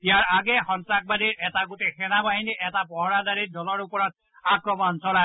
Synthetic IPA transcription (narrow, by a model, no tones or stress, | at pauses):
ijaɹaɡɛxɔntɹak̚badiɹʔɛtaɡotexɛnabaɦiniʔɛtapɔɦɔɹadaɹiɹdɔlɔɹupɔɹɔt̚ | akɹɔmɔnsɔla